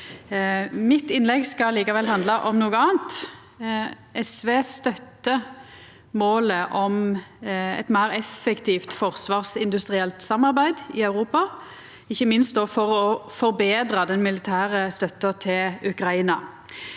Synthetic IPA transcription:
mɪt̪ːɪnlɛɡskɑliːkɑʋɛlɦɑnd̪lɑʔɔmnuːɡəɑːnt̪ | ʔɛsʋeːst̪œt̪ːə | moːləʔɔm | ɛ̰t̪mæɪɾɛfːɛkt̪ʰiːft̪fɔʁsʋɑːʁsɪnd̪ʉst̪ʁɪɛlt̪sɑmɑʁbæɪd̪ɪœʉɾuːpɑ | ɪçːəmɪnst̪d̪oːfɔʁɔfɔɾbeːd̪ɾəd̪ɛnmɪlɪt̪ʰæːʁəst̪œt̪ːət̪ʰɪlʉkʁɑiːnɑ

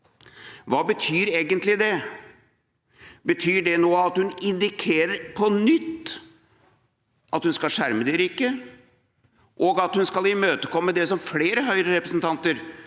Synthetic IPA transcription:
ʋɑːbət̪ʰyːɾeːɡənt̪lɪd̪ɛ | bət̪ʰyːɖɛnoːɑt̪hʉnɪnd̪ɪkʰeːɾəɾpʰɔnʏt̪ː | ʔɑt̪hʉnskɑlʂæɾməd̪ɛɾiːkə | ʔoːɡɑt̪hʉnskɑlɪmøːt̪əkʰɔmːəd̪ɛsɔmfleːɾəɦœʏɾəɾɛpɾəsnt̪ʰɑnt̪əɾ

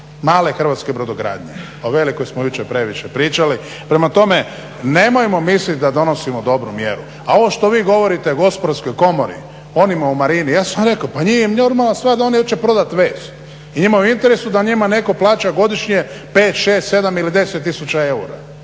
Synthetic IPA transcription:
maːle̞xr̩ʋaːt̪ske̞bɾod̪oɡɾa̰ːd̪ɲe̞̰ | oʋe̞likojsmojut͡ʃepɾe̞ʋiʃepɾiːt͡ʃali | pɾe̞mat̪o̞me̞ | ne̞mojemo̞mislit̪̚ʲd̪ad̪o̞no̞simod̪o̞bɾumjeɾu | ao̞ʋo̞ʃt̪o̞ʋiːɡo̞ʋo̞ɾit̪e̞ɡo̞spod̪aɾsko̞jko̞mo̞ɾḭ | o̞nimaumaɾinijaːsamɾe̞kaopaɲijenoɾmalast̪ʋaːɾd̪ao̞nijot͡ʃepɾo̞d̪at̪ʋeːst̪ | iɲimauint̪e̞ɾesud̪aɲimane̞ko̞plaːt͡ʃaɡo̞d̪iʃɲie̞ | peːt̪ʃe̞ːst̪se̞d̪amilid̪e̞set̪ːisut͡ɕae̞uɾa

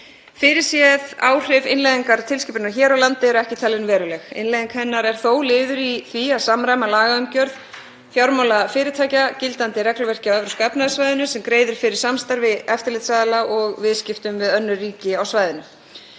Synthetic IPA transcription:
fɪɾɪ̥sjɛða̰ːwr̥ɪvɪnlejðiŋkaɾt̪ʰɪlscɪpʏnaçɛːɾawlant̪ɪɛɾɔɛhcɪt̪ʰaːlɪnvɛːɾʏlɛxɪ̰nlajðiŋkhɛnːaɾɛɾ̥θoːwlɪːðʏɾiθviaðsamɾajmalaːɣaʏmcœɾð | θjawɾmawlafɪːɾɪt̪ʰaːjcacɪlt̪ant̪ɪɾɛklʏvɛr̥cɪawɛvɾʏ̥skapnaðɪsvajðɪnʏsɛmkɾeːjðʏɾ̥fɪɾɪɾ̥samst̪aɾvɪðɛft̪ɪɾlɪt̪saðɪlaʔɔɣvɪðscɪft̪ʏmvɪðœnːʏriːcɪawsvaːjðɪnʏ

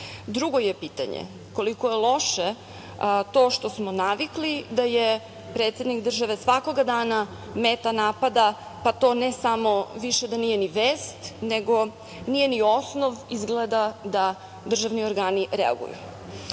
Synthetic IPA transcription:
d̪ɾuɡo̞jepiːt̪a̰ɲḛ | ko̞likojelˠo̞ʃe | t̪o̞ːʃt̪o̞smonaʋiklid̪aje | pɾeːt̪sje̞d̪nikd̪r̩ʒaʋe̞sʋako̞ɡad̪aːna | meːt̪anaːpad̪a | pat̪o̞ːnesamo̞ʋiʃed̪anijeniʋeːst̪neɡo̞ | nije̞nio̞snoʋizɡled̪ad̪a | d̪r̩ʒaʋnio̞ɾɡaːniʔɾɛ̰a̰ɡṵjṵ

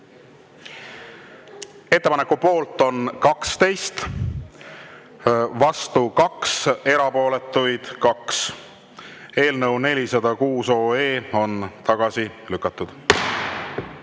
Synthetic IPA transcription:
e̞t̪ːe̞pɑnekːˑupo̞ːlt̪ːˑo̞nkɑkst̪e̞jst̪ | vɑst̪ukɑkse̞ɾɑpo̞ːle̞t̪ːˑujd̪̥kɑks | e̞ːlnɤwne̞lʲisɑd̪̥ɑkuːso̞ːe̞ːo̞nt̪ɑɡ̥ɑsilykːˑɑt̪ːˑud̪̥

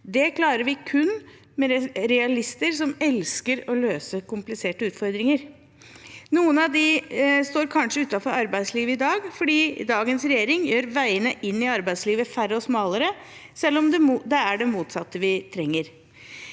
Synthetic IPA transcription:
d̪ɛkʰlɑːɾəɾʋɪkʰʉnː | mɛɾɛɑlɪst̪əɾsɔmɛlskəɾɔløːsəkʊmplɪseːʈəʉːt̪fɔɾd̪ɾɪŋəɾ | nuːənɑʋd̪ɪst̪oːɾkʰɑnʂəʉːt̪ɑfɔɾɑɾbæɪd̪sliːʋəɪd̪ɑːɡfɔɖiːd̪ɑːɡənsɾɛjeːɾɪŋjøːɾʋæɪənəʔɪnːɪɑɾbæɪsliːʋəfæɾəɔsmɑːləɾə | sɛlːɔmd̪ɛmd̪ɛæɖɛmuːt̪sɑt̪ːəʋɪt̪ʰɾɛŋːəɾ

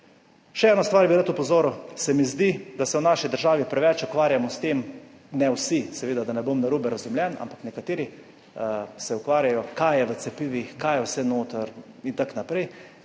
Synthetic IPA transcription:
ʃɛɛːnɔst̪ʋaːɾbiɾat̪upɔzoːɾusɛmizd̪id̪asɛwnaːʃid̪əɾʒaːʋipɾɛʋɛt͡ʃukʋaːɾjamɔst̪em | nɛwsisɛʋeːd̪ad̪anɛbomnaɾubɛɾazumljɛna̰mpaknɛkat̪eːɾi | sɛukʋaːɾjajɔkajɛʋət̪sɛpiːʋixkajɛwsɛnoːt̪əɾ | int̪aknapɾɛj

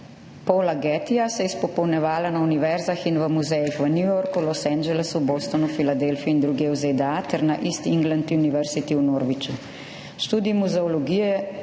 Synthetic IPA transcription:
pɔlaɡɛːt̪ijasɛjɛspɔpɔwnɛʋaːlanauniʋɛɾzaxinʋəmuzɛjixʋənjujoːɾkulɔsɛnd͡ʒɛlɛsuboːst̪ɔnufilad̪elfiind̪ɾuɡɛwzed̪ɛat̪ɛɾnaʔist̪iiŋɡlant̪iuniʋɛɾsit̪iunoːɾʋit͡ʃu | ʃt̪uːd̪imuzɛɔlɔɡijɛ

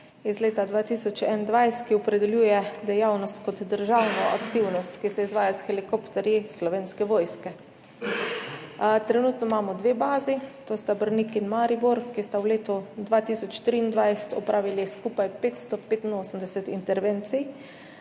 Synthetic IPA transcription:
izleːt̪ad̪ʋaːt̪isɔt͡ʃɛnnd̪ʋajst̪kiɔpɾɛd̪ɛljujɛd̪ɛjawnɔst̪kɔd̪d̪əɾʒawnɔa̰kt̪iwnɔst̪kisɛizʋaːjasxɛlikopt̪ɛɾjislɔʋeːnskɛʋoːjskɛ | t̪ɾɛnuːt̪nɔmaːmɔd̪ʋebaːzit̪oːst̪abəɾnikinmaɾibuɾkist̪awleːt̪ɔd̪ʋat̪isɔt͡ʃt̪ɾiːnd̪ʋajsɛ̥t̪ɔpɾʔaːʋiliskuːpajpeːt̪st̪ɔpeːt̪inoːsəmd̪ɛsɛt̪ḭnt̪ɛɾʋeːnt̪sij

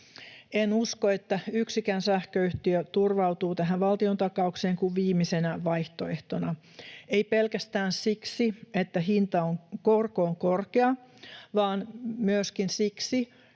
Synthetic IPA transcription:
enuskoet̪ːæyksikænsæhkøyht̪iøt̪urʋɑut̪uːt̪æɦæʋʋɑlt̪iont̪ɑkɑukseːŋkuʋʋiːmisenæʋɑjht̪oeht̪onɑ | eipelkæst̪æːnsiksiet̪ːæɦint̪ɑoŋkorkoːŋkorkeɑʋɑːnmyøskinsiksi

